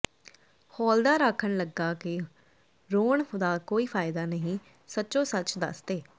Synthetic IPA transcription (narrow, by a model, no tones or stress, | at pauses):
hɔːld̪aːɾaːkʰːəɳləɡːaːkɪ | ɾoːɳxʊd̪aːkoːiːpʰaːɪd̪aːnəɦĩː | sətːʃõːsət͡ʃd̪ə̰st̪eː